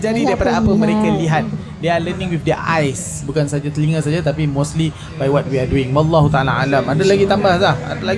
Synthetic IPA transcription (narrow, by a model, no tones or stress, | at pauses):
d͡ʒadidaɾipadaapəmə̃ɾekaliɦat̪̚ | dealənɪ̃ŋwifdɛʔajs | bukansad͡ʒat̪əliŋas̬ad͡ʒat̪apimõstli | bajwɔt̪̚wiaduɪŋwalːaɦut̪aalaa̰lamadalaɡit̪ambahlaha̰dalaɡ